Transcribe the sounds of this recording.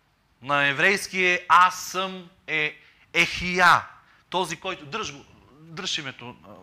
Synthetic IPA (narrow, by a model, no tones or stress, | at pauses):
nɐɛvɾɛjskijəasəm | ɛ | ɛxija | t̪ɔzikɔjt̪od̪ɾəʒɡo | d̪ɾʃimɛt̪o